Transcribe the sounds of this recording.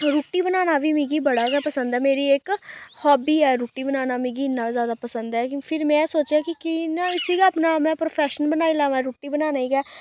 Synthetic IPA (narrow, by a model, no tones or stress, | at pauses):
ɾuːʈːiːbənaːnaːʋiːmĩːɡiːbəɽaːɡɛːpəsənd̪ɛːmeːɾiːekhɔːbiːɛːɾuːʈːiːbənaːnaːmĩɡiːɪnːãːzjaːd̪aːpəsənd̪ɛːkpʰɪɾmɛ̃ːsoːt͡ʃaːkɪkɪnaːɪsiːkaaːpnaːmɛ̃ːpɾoːpʰɛːʃənbənaːilãːʋãɾuːʈːiːbənaːnaːiːɡɛː